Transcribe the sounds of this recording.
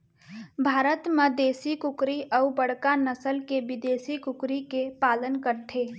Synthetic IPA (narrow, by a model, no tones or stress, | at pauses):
bʱaːɾət̪mẽd̪eːsikʊkɾiʔɔːubəɽ̤kanəsəlkeʋɪd̪eːsikʊkɾikepaːlənkəɾt̪ʰeː